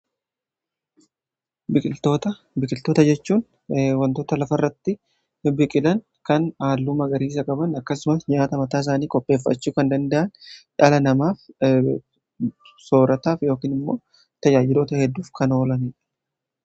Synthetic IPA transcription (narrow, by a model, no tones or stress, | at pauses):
bɪkʼɪlt̪oːt̪ɐ | bɪkʼɪlt̪o̞ːt̪ɐd͡ʒɛt͡ʃːuːn | wɐnt̪o̞ːt̪ɐlɐfɐrːɐt̪ːɪ | bɪkʼɪlɐn | kɐnaːlːumɐɡɐɾiːs̬ɐkʼɐbɐnɐkːɐsʊmɐsɲaːt̪ɐmɐt̪aːɪs̬aːniːkʼɔpʼːe̞ːfːɐ̰t͡ʃːuːkɐnd̪ɐnd̪ɐʔɐnᶑaːlɐnɐmaːf | so̞ːɾɐt̪aːfjo̞ːkiːnɪmːo̞̰ː | t̪ɐd͡ʒaːd͡ʒɪloːt̪ɐhɛd̪ːuːfkɐno̞ːlɐnɛ